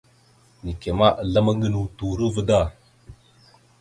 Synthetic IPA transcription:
ni˨ke˨ma˦ʔla˦ma˦ŋɡə˦nu˦tu˨ɾə˦və˦da˦˨

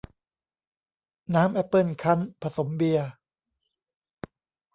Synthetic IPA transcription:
naː˦˥mʔɛ˦˥pːɯ˥˩nkʰa˦˥npʰa˧so˩˦mbi˧ɐ

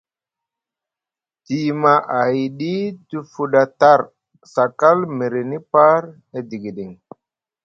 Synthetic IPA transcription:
ti˨ma˨ʔa˨jɗi˦tu˨fu˨ɗa˨ta˦˨ɾ | sa˨ka˦lme˨ɾe˨ni˦pa˦ɾ | e˨di˨ɡi˨ɗi˨ŋ

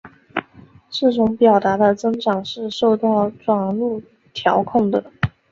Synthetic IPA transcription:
ʂɻ̩˥˩ʈ͡ʂʊ˧˥ŋpjɑ˨˩ʊt̪a˧˥d̪ə˧t͡sɤ˥ŋʈ͡ʂɑ˨˩ŋʂɻ̩˥˧ʂo˥˧ʊt̪ɑ˥˩ʊʈ͡ʂwɑ˨˩ŋlu˥˩ | t̪ʰjɑ˧˥ʊkʰʊ˥˩ŋd̪ə˩

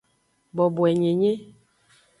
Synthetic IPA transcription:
bɔ˨bwɛ˨ɲe˨ɲe˦

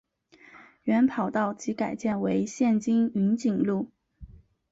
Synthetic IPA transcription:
ɥɛ˧˥npʰɑ˨˩ʊt̪ɑ˥˩ʊt͡ɕi˧˥ka˨˩ɪt͡ɕjɛ˥˩nwe˧˥ɪɕjɛ˥˩nt͡ɕi˥ŋy˧˥nt͡ɕi˨˩ŋlu˥˩

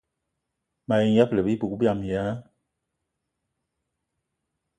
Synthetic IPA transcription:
ma˨ji˨˦ja˦plə˨bi˦pu˨ku˦bja˦˨m˨a˦

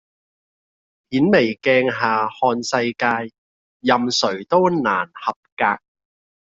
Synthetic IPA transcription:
pʰiː˨˥nme˨˩jkɛː˧ŋɦaː˨hɔː˧nsɐ˧jkaː˧jː | ɐ˨msɵ˨˩ɥt̪o˥wnaː˨˩nhɐ˨p̚kaː˧k̚

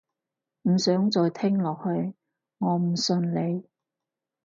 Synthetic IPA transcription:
m̩˨˩sœː˨˥ŋt͡sɔː˨jt̪ʰɪ˥ŋlɔː˨k̚hɵ˧ɥ | ŋɔː˨˧m̩˨˩sɵ˧nle˨˧j

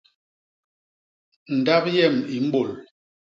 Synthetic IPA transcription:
n̩˨da˦p̚jɛ˦˨mi˨m̩˦bo˦˨l

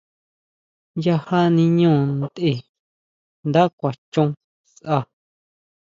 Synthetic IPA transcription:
ja˧ha˦nĩ˧ɲũː˦˨nd̪e˧˨ | nd̪a˦kʷa˨t͡ʃũ˧ | sʔa˧˨

